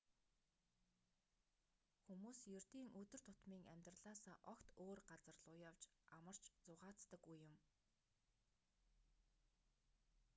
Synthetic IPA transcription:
xumuːsjɵr̥t̪iːŋʔɵt̪ɵ̆r̥t̪ʰʊt̪miːŋæmʲt̪rəɮaːsaːʔɔkt̪oːrɢat͡sə̆rɮʊːjawt͡ɕamə̆r̥t͡ɕt͡sʊʁaːt͡st̪ə̆kːujːʊm

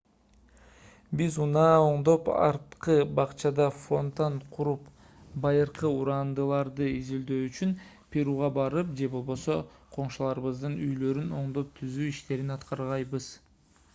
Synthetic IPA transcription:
bizunɑːo̞ɴd̪o̞pɑ̰ɾt̪qɯbɑqt͡ʃɑd̪ɑfo̞nt̪ɑnqʰuɾup | bɑjɯɾqɯuɾɑnd̪ɯlˠɑɾd̪ɯizild̪øːyt͡ʃyn | pʲʰeɾuʁɑbɑɾɯp̚d͡ʒe̞bo̞lˠbo̞so̞qʰo̞ɴʃulˠɑɾɯβɯzd̪ɯnyjlø̞ɾyno̞ɴd̪o̞p̚t̪ʰyzyːiʃt̪e̞ɾinɑt̪qɑɾʁɑjbɯz̥

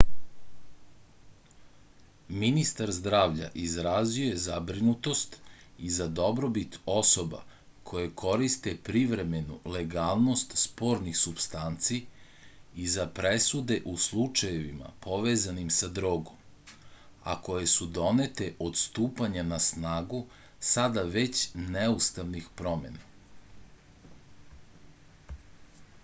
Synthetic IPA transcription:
minist̪aɾzd̪ɾaːʋʎa̰ʔizɾaziojezabɾinut̪o̞st̪izad̪o̞bɾo̞bit̪o̞so̞ba̰ | kʰo̞jekʰo̞ɾist̪epɾiʋɾe̞me̞nule̞ɡaːlˠno̞st̪spo̞ɾnixsubst̪ant̪si | izapɾesud̪e̞ʔuslˠut͡ʃajeʋima̰pʰo̞ʋeːzanimsad̪ɾoːɡom | a̰ko̞jesud̪o̞net̪eʔo̞d̪st̪uːpaɲanasnaːɡu | sad̪aʋe̞t͡ɕnɛust̪aʋnixpɾo̞mḛna

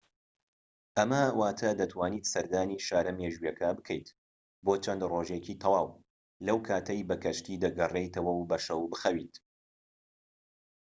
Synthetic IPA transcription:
ʔɐmɐwaːt̪ʰɐd̪ɐt̪ʰwaːniːt̪sɐɾd̪aːniːʃaːɾɐmeːʒujɛkʰɐbɨkʰɐjt̪ | boːt͡ʃʰɐnd̪roːʒeciːt̪ʰɐwaːw | lɐwkʰaːt̪ʰɐjbɐkʰɐʃt̪iːd̪ɐɡɐrejt̪ʰɐwɐwbɐʃɐwbɨxɐwiːt̪

